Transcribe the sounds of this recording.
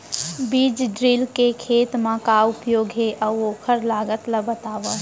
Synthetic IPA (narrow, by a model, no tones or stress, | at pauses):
biːd͡ʒɖɾilkekʰeːt̪mãkaʊpjoːɡɦeʔəʋoːkʰəɾlaːɡət̪ləbət̪aːʋə